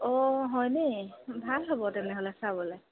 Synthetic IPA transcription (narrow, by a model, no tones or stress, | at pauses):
ɔɦɔjnɛbʱalɦɔbɔtɛnɛɦolɛsabɔlɛ